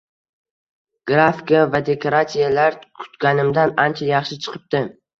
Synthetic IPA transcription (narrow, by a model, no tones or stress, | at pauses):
ɡ̥ɾafikavad̪e̞kʰoɾat̪ijalaɾkʰʊ̥t̪kʲanɪmd̪anant͡ʃʰajɑχʃɪt͡ʃʰɨ̥qʰɨp̚t̪ɪ